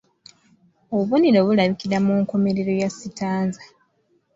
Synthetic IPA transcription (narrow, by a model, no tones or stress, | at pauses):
oβuniɾo̞βulaβikiɾamuːŋko̞me̞ɾe̞ɾo̞jasitaːnza